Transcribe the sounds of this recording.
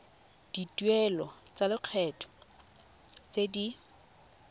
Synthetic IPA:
d̥itwɛlɔt͡salɪq͡χʰɛːtʰʼɔ̥ | t͡sedi

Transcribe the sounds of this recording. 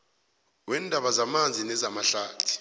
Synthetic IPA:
wɛndʱaɓazamand͡zʱinɛzamaɬaːtʰi̥

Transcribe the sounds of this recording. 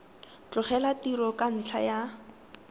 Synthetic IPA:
t͡ɬʼʊχɛlatiɾɔkan̩t͡ɬʰa̰ja

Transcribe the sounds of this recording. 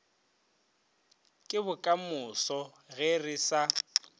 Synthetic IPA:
kʼɪbʊkʼamʊsɔ | ɣɛrɪsa

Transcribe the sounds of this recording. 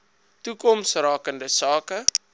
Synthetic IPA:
tukɔmsrɑːkəndəsɑːkə

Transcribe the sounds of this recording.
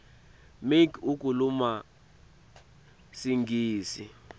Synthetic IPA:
mikuk̬ʼuluma | siŋɡiːsḭ

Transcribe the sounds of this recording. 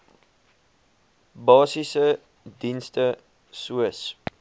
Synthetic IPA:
bɑːsisə | dinstə | suəs

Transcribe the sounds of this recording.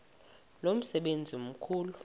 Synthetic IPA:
lom̩sɛɓend͡zʱiom̩kʰuːlu

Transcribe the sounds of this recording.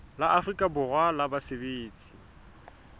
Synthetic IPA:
laʔafrikʼabʊrwalabasebeːt͡sʼi̥

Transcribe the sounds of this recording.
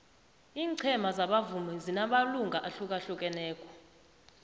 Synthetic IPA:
iːǀʰɛmazaɓavumɛzinaɓaluŋɡʱaʔaɬukʼaɬukʼɛnɛːkʼɔ̥

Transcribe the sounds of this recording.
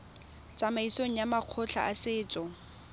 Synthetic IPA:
t͡sʼamaisoŋ̩jamaq͡χʰʊɬʰa̰ʔasɪːt͡sʼɔ

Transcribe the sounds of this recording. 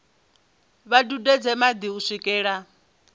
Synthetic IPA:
βadudɛd͡zɛmad̪iusʷikʼɛːɺa

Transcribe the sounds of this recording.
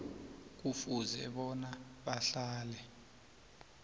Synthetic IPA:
k̬ufuzɛ̰ɓɔnaɓaɬaːlɛ

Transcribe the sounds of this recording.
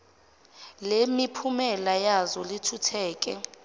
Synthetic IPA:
lemipʰumɛlajazɔlitʰutʰɛːk̬ʼɛ

